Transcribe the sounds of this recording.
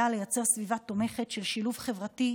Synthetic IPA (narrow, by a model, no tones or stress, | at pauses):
ale̞jat͡se̞ʁsvivat̪o̞me̞χe̞tʃe̞lʃiluvχe̞vʁati